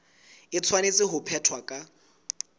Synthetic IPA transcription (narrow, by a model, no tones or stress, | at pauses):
ɪt͡sʰwanet͡sʼɪɦʊpʰɛtʰwakʼa